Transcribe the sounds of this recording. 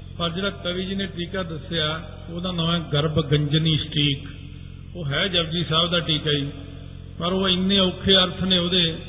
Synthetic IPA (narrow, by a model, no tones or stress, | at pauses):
pəɾd͡ʒeːɽaːk̪əʋiːd͡ʒɪnẽːʈiːkaːd̪əsejaː | oːd̪ãːnɔ̃ːɛ̃ːɡəɾbɡəɲd͡ʒniːsʈʰiːk | oːɦɛːd͡ʒəbd͡ʒiːsaːbd̪aːʈiːkaːiː | pəɾoːɪnːẽːʊkʰːeːəɾt̪ʰnẽːɦoːd̪eː